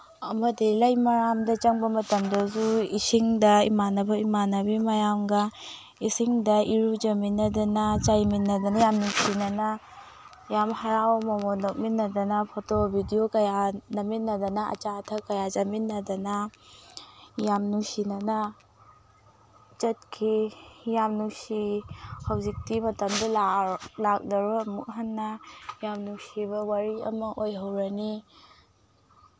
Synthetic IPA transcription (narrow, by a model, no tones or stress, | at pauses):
ɐmɐdilajmɐɾamdɐt͡ʃɐŋbɐmɐtɐmdɐzuisiŋdɐḭmanɐbɐimanɐbimɐjamɡɐ | isiŋdɐiɾud͡ʒɐminːɐdɐnɐt͡ʃajminːɐdɐnɐjamnusinɐnɐ | jamhaɾawmɐmonok̚minːɐdɐnɐpʰotobʱidijokɐjanɐminːɐdɐnɐɐ̰t͡ʃatʰɐkɐjad͡ʒɐminːɐdɐnɐ | jamnusinɐnɐ | t͡ʃɐt̚kʰijamnusihawzik̚timɐtɐmdɐlalak̚dɐɾuɐmuk̚ɦanːɐjamnusiβɐwaɾiɐ̰mɐʔojɦɐwɾɐni